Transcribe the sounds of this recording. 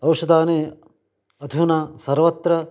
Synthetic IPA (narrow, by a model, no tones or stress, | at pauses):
ɐwʃɐd̪aːneː | ɐd̪ʱunɐsɐɾʋɐt̪ɾɐ